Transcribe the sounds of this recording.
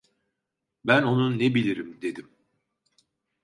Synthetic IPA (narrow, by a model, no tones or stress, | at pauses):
bæno̞nunnebilʲiɾimd̪e̞d̪im